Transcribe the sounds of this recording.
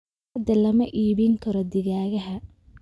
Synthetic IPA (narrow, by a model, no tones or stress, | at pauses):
d̪ɐlɐmɐʔiːβɪŋkʰɐɾɔd̪ɪɣaːɣɐɦɐ